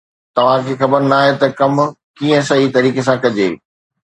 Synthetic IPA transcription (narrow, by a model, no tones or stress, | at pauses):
t̪ɐʋ̤ãkʰeːxɐbəɾnaːɦet̪ɐkɐm | kiːə̃sɐɦit̪ɐɾiːkes̬ãkɐd͡ʑeː